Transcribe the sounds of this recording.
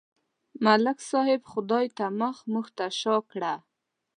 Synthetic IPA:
malɪksɑhɪbxʊd̪ɑjt̪aməxmuxt̪aʃɑkɽa

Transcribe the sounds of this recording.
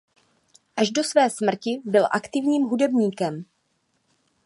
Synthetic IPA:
ʔaʒdo̞svɛːsmr̩cɪbɪlʔakt̪ɪvɲiːmɦudɛbɲiːkɛm

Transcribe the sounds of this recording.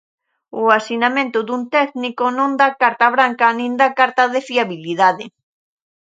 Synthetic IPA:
ʊasinamẽnt̪ʊðunt̪ɛknikʊnõŋd̪akaɾt̪aβɾaŋkanĩŋd̪akaɾt̪aðɪfiaβiliðaðɪ

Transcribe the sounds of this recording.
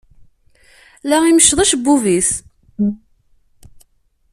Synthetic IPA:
læiməʃːðˤæʃbːuvis

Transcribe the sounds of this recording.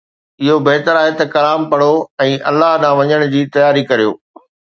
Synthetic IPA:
ɪɦobeɦt̪əɾaːɦet̪ɐkɐlaːmpɐɽoɛ̃ːʔɐlːaɦɗãːʋɐɲəɽ̃d͡ʑiːt̪ɐjaːɾikɐɾijo̰ː

